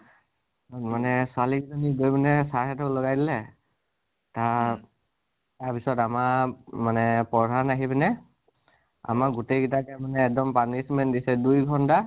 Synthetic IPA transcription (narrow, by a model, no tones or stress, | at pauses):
nmanɛsalizɔniɡojbɛnɛsaɦɛtɔlɔɡajdilɛ | ta | taɹpisɔtamamanɛpɔdʱanaɦibɛnɛ | a̰maɡutejɡitakɛmanɛːk̚dɔmpanismɛndisɛdujɡʱɔnta